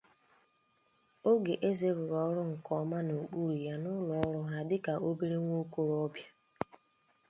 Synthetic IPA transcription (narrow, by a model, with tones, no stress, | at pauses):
o˦ɡe˨ʔe˦ze˦bʊ˨ɾɔ˨ɔ˦ɾʊ˦ŋ̩˨kɔ˨˦ma˦no˨k͡pu˦ɾu˨ja˦nʊ˦lɔ˨ɔ˦ɾɔ˦ɦa˦dɪ˦ka˨o˦bi˦ɾe˦ŋʷo˦ko˦ɾɔ˦bja˦